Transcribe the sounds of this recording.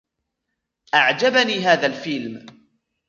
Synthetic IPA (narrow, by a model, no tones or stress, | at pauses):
ʔaʕd͡ʒabaniːɦaːðalfɪlm